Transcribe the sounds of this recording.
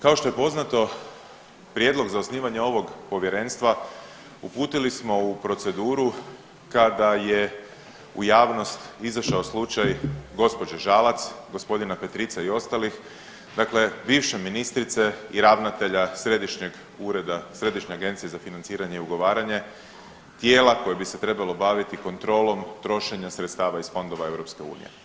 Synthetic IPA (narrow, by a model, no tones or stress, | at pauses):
kao̞ʃt̪o̞je̞po̞znat̪o̞ | pɾje̞d̪lo̞ɡzaosniːʋaɲe̞o̞ʋo̞ɡpo̞ʋje̞ɾe̞nst̪ʋa | upuːt̪ilismo̞upɾo̞t̪se̞d̪uːɾu | kad̪aje̞ | ujaːʋno̞st̪izaʃaoslˠut͡ʃajɡo̞spo̞d͡ʒeʒalat̪sɡo̞spo̞d̪inape̞t̪ɾit̪saio̞st̪alix | d̪akle̞biːwʃeminist̪ɾit̪se̞iɾaʋnat̪e̞ʎasɾe̞d̪iʃɲeɡ | uɾed̪asɾe̞d̪iʃɲeaɡe̞nt̪sije̞zafinansiːɾaɲe̞iuɡo̞ʋaːɾaɲe̞ | t̪je̞ːlako̞jebise̞t̪ɾe̞balo̞baːʋit̪iko̞nt̪ɾo̞ːlo̞mt̪ɾo̞ʃe̞ɲasɾet̪st̪aːʋaisfo̞nd̪o̞ʋae̞wɾo̞pske̞ṵːnḭje̞̰